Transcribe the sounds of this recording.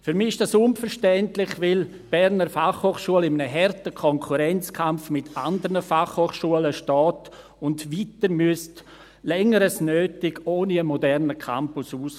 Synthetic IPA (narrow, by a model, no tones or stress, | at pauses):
fyɾmiːɪʃd̥asʊnfəɾʃtɛntlɪχʋɪl | b̥ɛɾnəɾfaχhoːχʃuəlɪmənəɦɛɾtəkʰɔŋkʰuɾɛnt͡skʰamfmɪtʰandəɾnəfaχhoːχʃuələʃtɔːt | ʊndʋiːtəɾmyəst | lɛŋəɾəsnøːtɪɡoːniəmɔdɛʁnəkʰa̰mpʊsuːs